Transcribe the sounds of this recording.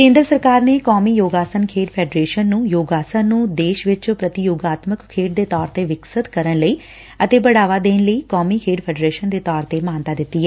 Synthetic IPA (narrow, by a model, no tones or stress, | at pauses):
kẽːnd̪ɾəsəɾkaːɾneːkɔːmiːjoːɡaːsənkʰeːʈpʰɛːɖɾeːʃənːũːjoːɡaːsənnːũːd̪eːʃʋɪt͡ʃːpɾət̪ɪjoːɡaːt̪məkkʰːeːʈ̚d̪eːt̪ɔːɾt̪eːʋɪksət̪kəɾənləiː | ət̪eːbəɽaːʋaːd̪eːnləiːkɔːmiːkʰeːɖpʰɛːɖɾeːʃənd̪eːt̪ɔːɾt̪eːmaːnt̪aːd̪ɪt̪ːiɦɛː